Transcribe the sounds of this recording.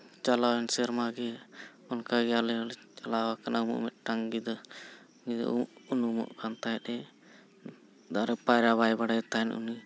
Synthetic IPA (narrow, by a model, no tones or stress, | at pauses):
t͡ʃalawɛnsɛɾmaɡɛ | ɔnkaɡɛalɛlt͡ʃalawakanaumṵʔmɛt̪̚ʈaŋɡid̪ɔ | d̪̰ʔunumɔ̰ʔkant̪ajɛt̪ɛ | d̪aɾɛpajɾaβajbaɽat̪aɛnṵni